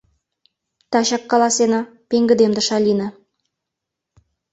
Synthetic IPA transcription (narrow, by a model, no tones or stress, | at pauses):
t̪ɑʃɑkːɑlˠasena | pʲeŋɡʲɪd̪emd̪əʃalʲina